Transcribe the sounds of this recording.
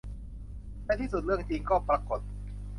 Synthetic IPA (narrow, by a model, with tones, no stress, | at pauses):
na˥˩jt̪ʰiː˥˩s̬u˨˩t̪̚ɾɯ˥˩əŋt͡ɕiː˧ŋkɔː˥˩pɾa˧ko˨˩t̪̚